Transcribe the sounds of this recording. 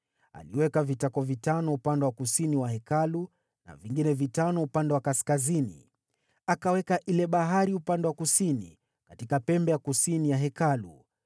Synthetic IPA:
a̰liwɛkavitakɔvitanɔupandɛwakusiniwahɛkalu | na̰viŋɡinɛvitanɔupandɛwakaskazinḭ | akawɛkaʔilɛɓaɦaɾiupandɛwakusinḭ | katikapɛmbɛjakusinijaɦɛkalu

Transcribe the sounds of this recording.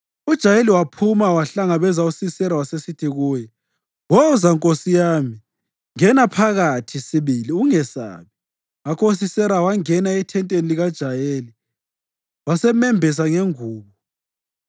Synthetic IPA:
ud̥ʒ̥ʱajeliwapʰumawaɬaŋaβɛzausisɛlawasesitʰiɣuːjɛ | wɔuzaŋkʼosijaːmi | ŋɛnapʰaɣatʰisiβiliuŋɛsa̰βi | akʰous̬isɛɾawaŋɛnaɛtʰɛntʼeniliɣad̥ʒ̥ʱajeːli | wasɛmɛmbʱis̬aŋeŋuːβɔ

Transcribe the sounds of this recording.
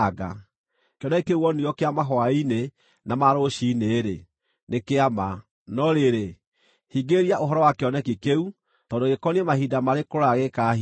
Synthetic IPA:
ɡa̰ | keɔnɛkikeuɔnijɔkeamaɦɔaine | namaɾoʃiːneːɾe | nekeama | nɔɾeɾe | hiɡeɾiaʔoɦɔɾɔwakeɔnɛkikeu | tɔːndoɣekɔniɛmahidamaɾekoɾaɣeka

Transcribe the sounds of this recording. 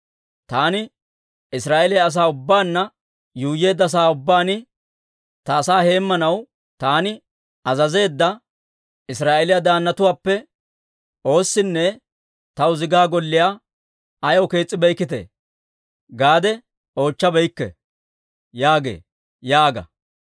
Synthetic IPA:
t̪aːnɪ | ɪsɾaːʔɛlɪjɐɐs̬aːʊbːaːnːɐ | juːjːe̞ːd̪ːɐs̬aːʊbːaːnɪ | t̪ɐːsaːhe̞ːmːɐnɐw | t̪aːnɪ | ɐzɐze̞ːd̪ːɐ | ɪsɾaːʔelɪjɐd̪aːnːɐt̪ʊwaːpːɛ | ʔo̞ːsːɪnːɛ | t̪ɐwʊzɪɡaːɡɔlːɪja | ɐjɔwke̞ːt͡sʼːɪbɛjkːɪt̪ḛː | ɡaːd̪ɛ | o̞ːt͡ʃːɐbɛjkːɛ̰ | jaːɡe̞̰ː | jaːɡɐ̰

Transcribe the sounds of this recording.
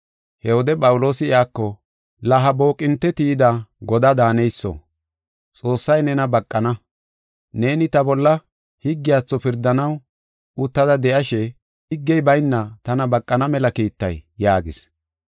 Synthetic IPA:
hɛwɔd̪ɛpʼɐwʊlo̞ːsɪɪaːkːɔ | lɐɦɐbo̞ːkʼɪnt̪ːɛt̪iːd̪ɐɡɔd̪ɐd̪aːnɛjsːɔ̰ | t͡sʼo̞ːsːɐjnɛnɐbɐkʼːɐnɐ | ne̞ːnɪt̪ɐbɔlːɐ | hɪɡːɪjaːt͡sːɔpɪɾd̪ɐnɐw | ʊt̪ːɐd̪ɐd̪ɛʔɐʃɛ | hɪɡːɛjbɐjnːɐt̪ɐnɐbɐkʼːɐnɐmɛlɐkiːt̪ːɐ̰jːaːɡɪs

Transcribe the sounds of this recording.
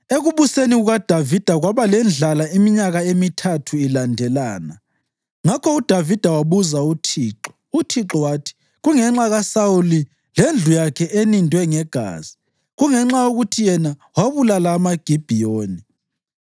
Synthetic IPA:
eɣuβuseniɣuɣad̥ʱavid̥ʱaɣwaβalɛnd͡ɮʱalaimiɲaɣaemitʰatʰuilandʱɛlaːna | ŋakʰɔud̥ʱavid̥ʱawaβuzautʰiːǁɔ̥ | utʰiǁɔwaːtʰi̥ | ɣuŋɛŋ͡ǁaɣasauli | lend͡ɮʱujakʰɛʔenindʱwɛŋɛɡ̥ʱa̰ːz̥i̥ | ɣuŋɛŋ͡ǁaoɣutʰijɛna | waβulalaːmaɡ̥ʱib̥ʱijoːni

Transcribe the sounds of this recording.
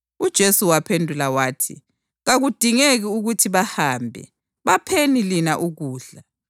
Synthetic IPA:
ud̥ʒ̥ʱesuwapʰendʱulawaːtʰḭ | ɣaɣud̥ʱiŋeɣiuɣutʰiβahaːmbʱɛ̰ | βapʰenilinaʔuɣuːɮa

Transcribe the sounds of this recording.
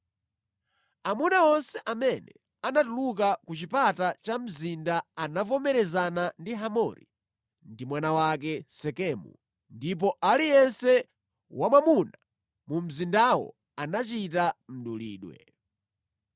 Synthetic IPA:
amunaɔnsɛʔamɛnɛ | anatulukakut͡ʃipatat͡ʃam̩zindaanavɔmɛɾɛzanandiɦamɔɾḭ | ndimwanawak̬ɛsɛkɛmṵ | ndip̬ɔʔalijɛnsɛ | wamwamuna | mum̩zindawɔ̰ | anat͡ʃitam̩ɗulḭːɗwɛ̰

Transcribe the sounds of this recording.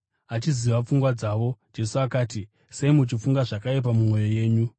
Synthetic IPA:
at͡ʃiziʋap͡fuŋɡwad͡zaːʋo̞d͡ʒe̞suakaːti | se̞imut͡ʃifuŋɡaʐakajep̬amumo̞jo̞je̞ːɲu

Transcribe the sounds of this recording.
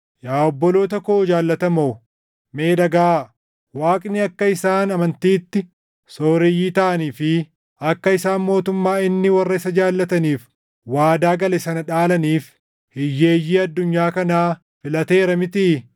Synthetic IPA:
jaːɔbːɔlo̞ːt̪ɐkoːd͡ʒaːlːɐt̪ɐmo | me̞ːᶑ̪ɐɡaː | waːkʼnɪɐkːɐɪsaːnɐmɐnt̪iːt̪ːɪ | so̞ːɾɪjːiːt̪ɐʔɐniːfɪ | ɐkːɐɪsaːnmo̞ːt̪ʊmːaːɪnːɪwɐrːɐɪsɐd͡ʒaːlːɐt̪ɐniːf | waːd̪aːɡɐlɛsɐnɐᶑaːlɐniːf | hɪjːe̞ːjːiːɐd̪ːʊɲːaːkɐnaː | fɪlɐt̪e̞ːɾɐmɪt̪i

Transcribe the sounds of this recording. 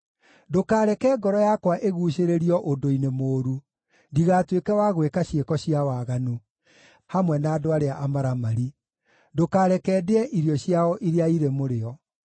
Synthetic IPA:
dokaːɾɛkɛːɡɔɾɔjakwaʔeɣuːʃeɾeɾiɔʔodoinemoːɾu | ndiɣaːtwekɛwaɣwekaɕjekɔɕjiawaːɣanu | hamwɛnaːdoaɾeaʔamaɾamaɾi | dokaːɾɛkɛːdeɛʔiɾjɔɕjaɔʔiɾeaiɾemoɾeɔ

